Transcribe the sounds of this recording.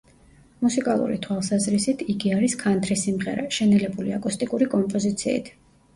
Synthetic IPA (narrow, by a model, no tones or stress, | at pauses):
musikʼalˠṵɾḭt̪ʰwalˠsazɾisit̪ʰiɡiaɾiskʰant̪ʰɾisimʁɛɾa̰ʃɛnɛlɛbuliakʼust̪ʼikʼuɾikʼɔmpʼɔzit̪sʰiḭt̪ʰ